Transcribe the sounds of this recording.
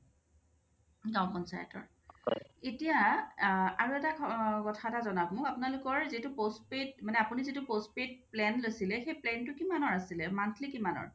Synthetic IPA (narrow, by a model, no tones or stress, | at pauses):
ɡãw̃pɔnsa̰jɛ̰tɔ̰ɹ | etija | aɹuɛtakʰkɔtʰatazɔnabmʊkapʊnalʊkɔɹzitʊpospet̚manɛapunizitʊpospet̚plɛnlojsilɛxejplɛntʊkimanɔɹasilɛmantʰlikimanɔ̰ɹ